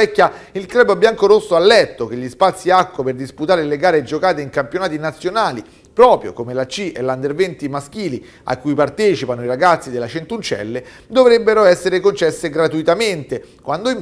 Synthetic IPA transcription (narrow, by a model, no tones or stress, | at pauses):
ɛkʲːjailk̪ɾɛːbobjaŋkoɾosːoalːɛt̪ːok̟eʎːispat̪sːiakːwaperd̪isput̪aːɾeleɡaːɾed͡ʒokaːt̪eiŋkampjonaːt̪inat̪sːjonaːli | pɾɔːpɾjo̰komelat͡ʃːiʔḛland̪ervɛnt̪imask̟iːli | a̰kːujpart̪ɛːt͡ʃipanoiɾaɡat̪sːid̪elːat͡ʃent̪unt͡ʃɛ̰lːe | d̪ovɾebːeɾoɛsːeɾekont͡ʃɛsːeɡɾat̪uit̪ament̪ekwand̪oim